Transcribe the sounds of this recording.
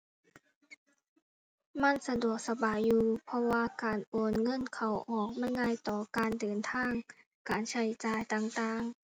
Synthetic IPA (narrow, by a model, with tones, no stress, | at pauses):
ma˧˥˨nsa˧du˨˩ək̚sa˧baː˨˩jːuː˧pʰɔ˧waː˧kaː˨nʔoː˨˩nŋɤ˧˥˨nkʰa˨˩wʔɔː˨˩k̚ma˧˥˨jŋaː˧˥˨jt̪ɔː˨˩kaː˨ndɤː˨˩nt̪ʰaː˧˥˨ŋ | kaː˨˩nt͡ɕʰa˧˩jt͡ɕaː˧˩jt̪aː˧ŋt̪aː˧ŋ